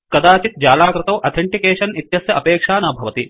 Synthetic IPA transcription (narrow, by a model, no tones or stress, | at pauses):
kɐd̪aːt͡ʃit̪̚d͡ʒaːlaːkɾɪt̪ɐwʔɐt̪ʰeɳʈikeːʂɐnit̪jɐsjɐʔɐpeːkʂaːnɐbʱɐʋɐt̪i